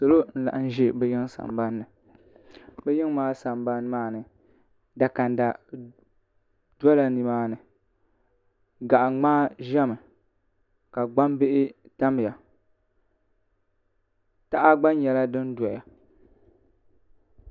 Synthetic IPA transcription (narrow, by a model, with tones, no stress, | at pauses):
so˨lo˦n̩˦la̰˨ʔn˦ʒe˦bɛ˦jɪ˦ŋsa̰˨mba˦nːɨ˨ | bɛ˦jɪ˦ŋ˦maː˦sa˨mba˦n˦maː˦nɨ˨ | da˨ka˨n˨da˨ | dɔ˦la˨ni˨maː˦nɨ˨ | ɡa˨ʔa˨ŋ͡maː˦ʒɛ˦mɨ˨ | ka˨ɡ͡ba˦mbe˦ʔɪ˦ | ta˦m˨ja˨ | ta˦ʔa˦ɡ͡ba˦n˦ɲɛ˨la˦dɨ˦n˦dɔ˨ja˨